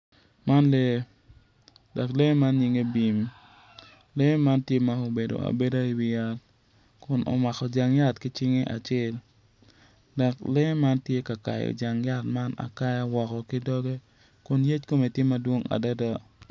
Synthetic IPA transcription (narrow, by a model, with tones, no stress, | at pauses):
ma˦nle˦ | da˨kle˦ma˦nɲi˨ŋe˦bi˨m | le˦ma˦ntje˦ma˦o˨be˨do̰˨a̰˨be˦da˦i˨wɪ˨ja˦l | kʊ˨nʔɔ̰˨ma˨kɔ˨d͡ʒa˨ŋja˦tkɪ˦t͡ʃɪ˦ŋe˦ʔa̰˨t͡ʃɪ˦l | da˨kle˦ma˦ntje˦ka˨ka̰˨jɔ̰˨d͡ʒa˨ŋja˦tma˦na̰˨ka˦ja˦wɔ˨kɔ˨ki˦dɔ˦ɡe˦ | kʊ˨nje˦t͡ʃko˦me˨tje˦mːa˦dwo˦ŋa̰˨da˦da˦